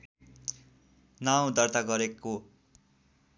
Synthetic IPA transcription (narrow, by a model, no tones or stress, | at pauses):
naw̃d̪ʌrt̪aɡʌɾeko